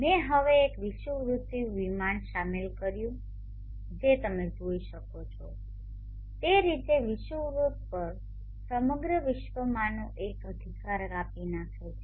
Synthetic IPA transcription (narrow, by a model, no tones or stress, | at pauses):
meɦəʋeːkʋiʃuʋɾut̪ːiʋimanʃamilkəɾjũ | d͡ʒet̪əmed͡ʒoiʃəkot͡ʃʰo | t̪eɾit̪eʋiʃuʋɾut̪pəɾ | səməɡɾəʋɪʃʋəmanoʔekəd̪ʱikaɾapinakʰe